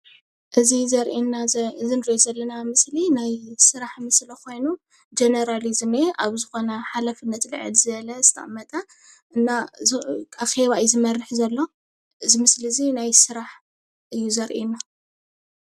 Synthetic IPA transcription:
ʔɨzizɐɾʔinaɨzinɾiozɐlːɐnamɨslinajsɨɾaħmɨslɐkʰo̞jnu | d͡ʒenɐɾalizme̞ʔaβzɨxo̞nɐħalafɨnːɐt̪lɨʕɨ̰lzɨβɐlɐzɨ̥t̪ʰɐ̰ʔʼmːɐt̪ʼɐ | ʔɨnːa | axe̞βajzɨmɐrːɨħzɐlːo̞ | ɨzimɨsliɨzinajsɨɾaħ | ʔɨjːuzɐɾʔina

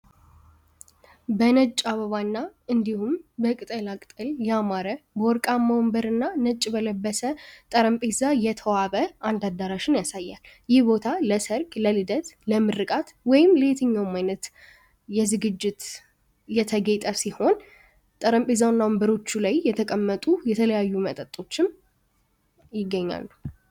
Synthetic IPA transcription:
bənət͡ʃʼaβəβanːaɨnd̪ihumbəkʼɨt̪ʼəlakʼt̪ʼɨljamaɾəbəwɔɾkʼaməwɔmbəɾɨnːanət͡ʃʼːbələbːəsət̪ʼəɾəmpʼezajɛt̪ʰəwaβəand̪ad̪ːaɾaʃɪnjasajːal | jɪhbo̞t̪ʰaləsəɾkʼləlɨd̪ət̪ləmɨɾɨkʼat̪wɔjɪmlet̪ʰəɲːawmːajnət̪ | jɛzɨɡɨd͡ʒːɪt̪ | jɛt̪ʰəɡet̪ʼəsiho̞n | t̪ʼəɾəmpʼezawnːawɔmbəɾo̞t͡ʃːulajjɛt̪ʰəkʼəmːət̪ʼujɛt̪ʰələjajːumət̪ʼət̪ʼo̞t͡ʃːɪm | jɪɡːəɲːa̰lː

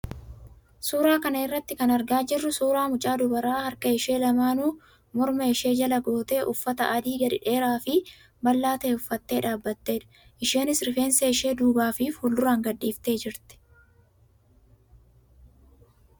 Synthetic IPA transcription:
suːɾaːkɐnɐɪrːɐt̪ːɪkɐnɐɾɡaːd͡ʒɪrːʊsuːɾaːmʊt͡ʃʼaːd̪ʊbɐɾaːhɐɾkɐɪʃe̞ːlɐmaːnuː | mɔɾmɐɪʃe̞ːd͡ʒɐlɐɡo̞ːt̪e̞ːʔʊfːɐt̪ɐʔɐd̪iːɡɐᶑ̪ɪᶑe̞ːɾaːfɪ | bɐlːaːt̪ɐːʊfːɐt̪ːe̞ːᶑaːbːɐt̪ːe̞ːᶑɐ̥ | ʔɪʃe̞ːnɪsɾɪfe̞ːnseɪʃe̞ːd̪uːbaːfiːfhuːld̪ʊɾaːŋɡɐᶑːiːft̪e̞ːd͡ʒɪɾt̪ɪ̥

